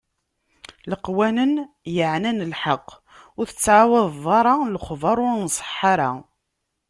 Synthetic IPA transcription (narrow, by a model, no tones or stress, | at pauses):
ləqwænən | jəʕnænlħɑqː | ʊɾθət͡sːʕawɑðˤðˤɑɾˤɑlχvɑɾˤʊɾnsˤə̥ħːɑɾa